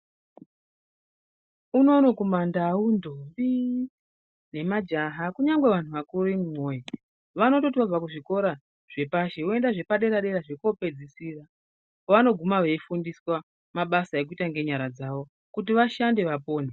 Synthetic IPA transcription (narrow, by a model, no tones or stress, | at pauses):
uno̞no̞kumandawundʱombi | ne̞mad͡ʒaɦakuɲaŋɡwe̞ʋan̤uʋakuɾimumo̞je | ʋano̞to̞tiʋab͡vakuʐiko̞ɾa | ʐ̥e̞paʃe̞woe̞ndaʐe̞paɗe̞ɾaɗe̞ɾaʐe̞ko̞pe̞d͡zisira | oʋano̞ɡʱumaʋe̞ifundiswa | maɓasaek̬uitaŋɡe̞ɲaɾad͡zaʋo̞ | kut̬iʋaʃande̞ʋapo̞ːne